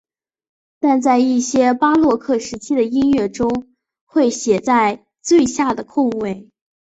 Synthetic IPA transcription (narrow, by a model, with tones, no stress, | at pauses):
t̪a˥˧nt͡sa˥˧ɪi˥˩ɕjɛ˥pa˥lwɔ˥˧kʰɤ˥˩ʂɻ̩˧˥t͡ɕʰi˥d̪ə˨i˥nɥɛ˥˩ʈ͡ʂʊ˥ŋ | xwe˥˩ɪɕjɛ˨˩t͡sa˥˧ɪ | t͡swe˥˧ɪɕja˥˩d̪ə˩kʰʊ˥˧ŋwe˥˩ɪ